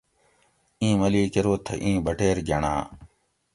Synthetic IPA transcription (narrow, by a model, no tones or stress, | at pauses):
ĩːməliːkəɾoːt̪ʰːɐ̰ʔĩːbəʈeːɾd͡ʒʱɐɳã̰ː